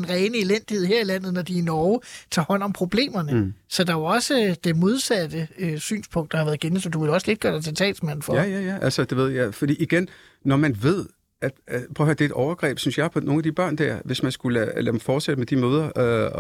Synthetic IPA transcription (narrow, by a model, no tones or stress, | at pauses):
enʁɛːnəe̝len̰d̥ihe̝ð̰ˠheɐ̰ilæn̰ð̩ˠnɒd̥inɒʊt͡sʰɑ̈ːhɒ̽n̰ɒ̽mpʰʁo̝b̥le̝̰ːmɐnəsɒ̽d̥ɑ̈oɒ̽səd̥e̝mo̝ð̞ˠsæd̥əøsy̰ːnspʰɔ̽ŋ̰ɡd̥ɑhɑ̈ʋæɐðˠɡ̥ensd̥uʋe̝lɒ̽səle̝d̥̚ɡ̥ɶɐdɑɪt͡sʰet͡sʰɛ̰ːl̥smæn̰n̩fɒjæjæʔælsɒd̥e̝ʋe̝ð̞̰ˠjæfɒd̥ḭːiɡ̥en | nɒmænʋe̝ð̞̰ˠ | æd̥pʰʁhɐd̥ed̥ɒʊɐɡ̥ʁɛ̰ːb̥synsjɑ̈ɪpʰɒ̽no̝ːn̩æd̥ib̥ɶɐ̰nd̥æɐ̰ʋe̝smænsɡ̥ullæ̥m̩fɒːd̥sed̥əmed̥imøːð̞ˠɐø